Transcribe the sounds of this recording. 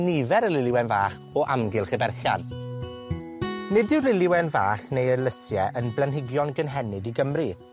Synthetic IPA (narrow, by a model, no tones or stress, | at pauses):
nivɛɾəlɪlˠɪwɛnva̰ːχ | ɔʔa̰mɡɪlˠχɪbɛrxja̰n | nɪdɪwlɪlˠɪwɛnvaːχnejələsjɛʔənblɛnɦɪɡjɔnɡənɦɛnɪdiɡəmri